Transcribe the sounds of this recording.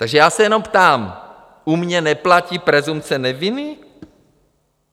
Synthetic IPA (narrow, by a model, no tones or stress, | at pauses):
t̪aɡʒɛjaːsɛjɛno̞mpt̪aːm | umɲɛnɛplaciːpɾɛzumpt͡sɛnɛvɪnɪ